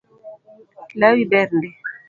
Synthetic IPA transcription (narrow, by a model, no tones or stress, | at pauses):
lawibɛɾndɛ